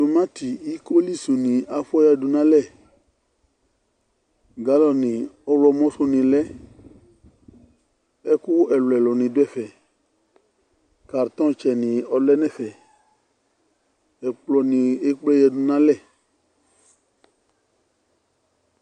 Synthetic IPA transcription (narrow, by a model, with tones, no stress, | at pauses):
do˨mã˦ti˨i˦ko˦li˦su˨nĩ˨a˨fɔ˦ja˧du˨nã˦lɛ˦˨ | ɡa˦lɔ˦˨nĩ˨ɔ˦wlɔ˧mɔ̃˦su˧nĩ˨lɛ˦ | ɛ˦ku˦ɛ˨lu˨ɛ˨lɔ˨nĩ˨du˦ɛ˦˨fɛ˨ | ka˨ɾt̪ɔ̃˦t͡ʃɛ˨nĩ˨ɔ˨lɛ˦nɛ̃˦˨fɛ˨ | ɛ˨k͡plɔ˨nĩ˨˧˨e˦k͡plɔ˦jɛ˧du˨nã˦lɛ˦˨